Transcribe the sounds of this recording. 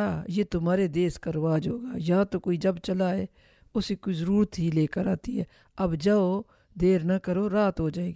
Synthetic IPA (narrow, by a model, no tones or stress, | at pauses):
ajeːt̪ʊmaːɾed̪eːskəɾʋaːd͡ʒɦoːɡa̰ːjɐɦãt̪okoːid͡ʒəbt͡ʃəlaɦeː | ʊsikoizəɾuːɾət̪ɦileːkəɾaːt̪iɦɛ̰ː | ɐbd͡ʒaːo | d̪eːɾnakəɾoːɾaːt̪ɦoːd͡ʒaːeːɡi